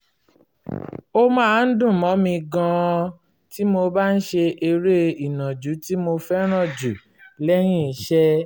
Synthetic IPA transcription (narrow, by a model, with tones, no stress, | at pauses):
o˦mãː˦˨˦n̩˦dũ˦˨mɔ̃˨˦mĩ˧ɡã˧ | ti˦mo˧ba˦n̩˦ʃe˧ʔe˧ɾe˦i˨nã˨d͡ʒu˨˦ti˦mo˧fɛ˦ɾ̃ɔ̃˦˨d͡ʒu˨ | lɛ˦jĩ˦˨˧ʃɛ˦